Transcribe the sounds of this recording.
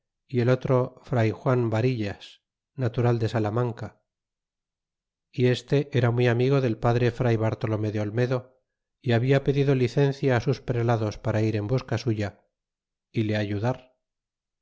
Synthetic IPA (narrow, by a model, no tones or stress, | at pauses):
ie̞lo̞t̪ɾo̞fɾajxwambaɾiʎas | nat̪uɾald̪e̞salamaŋka | ie̞st̪e̞ʔe̞ɾamwiamiɣo̞ðe̞lpaðɾe̞fɾajβaɾt̪o̞lo̞meðeo̞lme̞ðo̞ | iaβiape̞ðiðo̞liθe̞n̟θjaːsuspɾelaðo̞spaɾaiɾe̞mbuskasuʝa | ile̞aʝuðaɾ